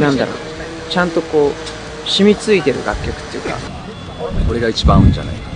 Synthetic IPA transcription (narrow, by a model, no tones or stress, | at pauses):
nãnd̪a̰ɾo̞̰ː | t͡ɕãnt̪o̞ko̞ː | ɕimʲit͡sɨit̪e̞ɾɯ̟ɡakʲːokɯ̟̥t̪ːejɯ̟ːka̰ | ko̞ɾe̞ɡait͡ɕibãɯ̟̃ɲ̟d͡ʑa̰na̰i